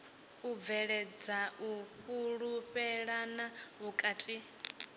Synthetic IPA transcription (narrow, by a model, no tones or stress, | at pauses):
ub̪vɛɺɛd͡zauɸuɺuɸɛɺanaβukʼatʼi